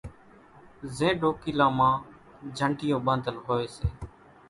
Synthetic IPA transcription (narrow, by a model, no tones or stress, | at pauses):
zẽːɖoːkiːlãːmãː | d͡ʒʱəɳʈɪjõːbãːnd̪ʱəlɦoːeːseː